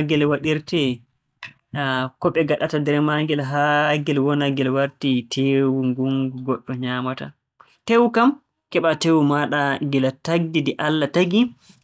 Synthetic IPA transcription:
ɡɛlwaɗiɾtɛ | kɔɓɛɡaɗatadɛɾɛmaŋɡɛlɦaɡɛlwɔnaɡɛlwaɾtitʰeːwuŋɡuŋɡuɡɔɗːɔɲamata̰ | tewukam | kɛɓatewumaɗaɡɛlataɡdidɛʔalːataɡi

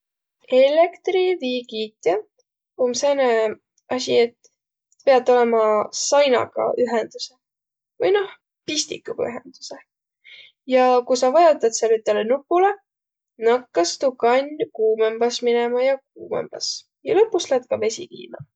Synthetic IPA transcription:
elekt̪riviːɡiːt̪ʲːˑe | omsene | ɑsʲiet̪ː | pe̞ɑt̪ːˑo̞lemɑsɑjnɑ̰ɡ̥ɑ̰ʔyɦend̪̥use̞ | vɯjno̞h | pisʲt̪ikːˑuɡ̥ɑyɦḛnd̪̥u̥se̞ | jɑkujsɑvɑjot̪ːˑɑd̪selyt̪ːˑelenupːˑule̞ | nɑkːɑst̪ukɑnʲkuːmemb̥ɑsminemɑjɑk̚uːmḛmb̥ɑ̰s | jɑlɤpːˑusled̪̥kɑve̞sʲḭkḭːmɑ̰

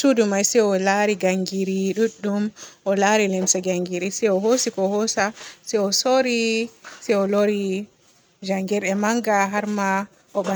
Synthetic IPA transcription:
sudumajsɛɔlaɾiɡaŋɡiɾiɗuɗːumʔɔlaɾilɛmsaɡaŋɡiɾisɛɔɦosikɔhɔsasɛɔsoɾisɛjɔloɾi | d͡ʒaŋɡɛɾɛmaŋɡaɦaɾma | ʔɔɓa

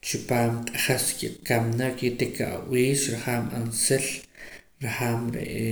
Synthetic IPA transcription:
t͡ʃupaːmt̪ʼaχaskiɓ̥kamnakit̪eka̰ʔw̰iːʃɾaχaːmansel | ɾaχaːmɾḛʔe

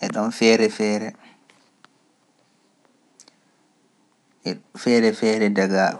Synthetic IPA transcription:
ʔɛɗɔnfɛːɾɛfɛːɾɛ | ɛfɛːɾɛfɛːɾɛdaɡaːɗɔ

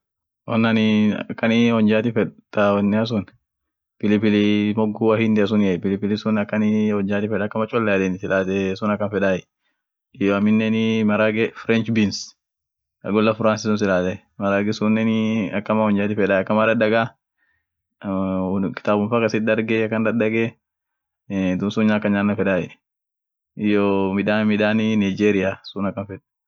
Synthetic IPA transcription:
wɔnːanɪkːɐnɪhɔɲd͡ʒaːt̪ɪfɛᶑt̪awɐnːɪɐs̬ʊn | pɪlɪpɪlɪmɔɡʊwahɪnd̪ɪɐs̬ʊnjɐpɪlɪpɪlɪsʊnɐkːɐnɪhɔɲd͡ʒaːt̪ɪfɛᶑɐkːɐmɐt͡ʃʼɔlːɛɐd̪eːnɪsɪlaːt̪ɛsʊnɐkːɐnfɛᶑaːjɛ | jɐmɪnːɛnɪmɐɾaːɡɛfɾɛnt͡ʃbins | ɐ̰ɡɔlːɐfʊɾaːnsɪsʊnsɪlaːt̪ɛ | mɐɾaːɡɛsʊnːɛnɪɐkːɐmaːhɔɲd͡ʒaːt̪ɪfɛᶑaːjɐkːɐmaːd̪ɐdːɐɡaː | kɪ̥t̪aːbʊnfaːkɐsɪt̪̚d̪ɐɾɡɛɐkːɐnd̪ɐdɐɡɛ | d̪ʊnsʊɲːaːkːɐɲaːnːɐfɛᶑaːjɛ | ɪjɔmɪᶑaːmɪᶑaːnɪnajd͡ʒeːɾɪjaːsʊnɐkːɐnfɛᶑ

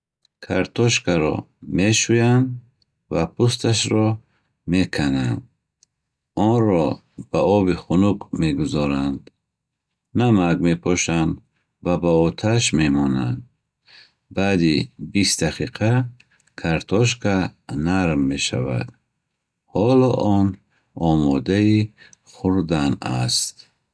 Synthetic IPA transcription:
kʰaɾt̪ʰɔʃkʰaɾɔ̰ | me̞ʃujand̪ | vapʰust̪ʰaʃɾɔ | me̞kʰanand̪ | ɔnɾɔ | b̥aɔbiχunukmeɡuzɔɾand̪ | namaɡme̞pʰɔʃand̪ | vabaɔt̪ʰaʃme̞mɔna̰nd̪ | bad̪ibist̪d̪aqʰiqʰa | kʰaɾt̪ʰɔʃ̬kʰanaɾmːe̞ʃa̰va̰d̪ | hɔlɔʔɔn | ɔmɔd̪ai | χuɾd̪ana̰st̪

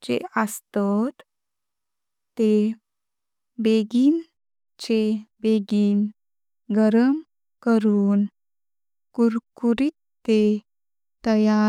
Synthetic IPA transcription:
d͡ʑḛəst̪ət̪ | t̪e | beɡin | t͡ɕebeɡiːn | ɡəɾəm | kəɾuːn | kuɾkuɾit̪ | t̪e | t̪əja

